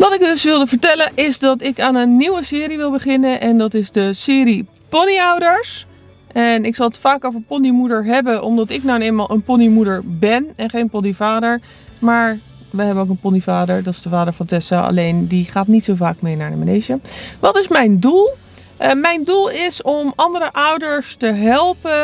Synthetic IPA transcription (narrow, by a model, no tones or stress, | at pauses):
ʋɑtɪkdɵsʋɪlˠdəvəɹtɛlənʔɪzdɑtɪkaːnənːiwəsɪːɾiʋɪlˠbəχɪnənʔɛndɑtɪzdəsɪːɾi | pɔniʌwdəɹs | ʔɛnɪksɑlˠətfaːkowvəɹpɔnimudəɹɦɛbənɔmdɑtɪknawənejmalˠʔənpɔnimudəɹbɛnɛnχejnpɔnivaːdəɹ | maːɹ | ʋəɦɛbənoʊwkənpɔnivaːdəɹdɑtɪzdəvaːdəɹvɑntɛsaʔɑ̰lejndiχaːtnitsowvaːkmejnaːɹdə̰mənejʒəʋɑtɪsmɛjndulˠ | mɛjndulˠɪsɔmɑndəɾəʔʌwdəɹstəɦɛlˠpə